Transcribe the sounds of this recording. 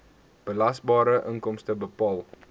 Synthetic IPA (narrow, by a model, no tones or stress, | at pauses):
b̥əlɐsbɑːɾəʔəŋkɔmstəbəpɑːlˠ